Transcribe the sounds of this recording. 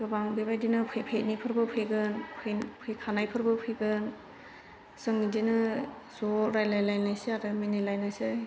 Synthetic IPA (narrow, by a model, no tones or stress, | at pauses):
kɯbaŋbibajdinɯpʰejpʰet̚nipʰɯɾbɯpʰɯɡɯnpʰɯpʰɯkʰanajpʰɯɾbɯpʰɯjɡɯn | sɯŋidinɯ | soɾajlajlajnasiaɾɯminilajnasɯ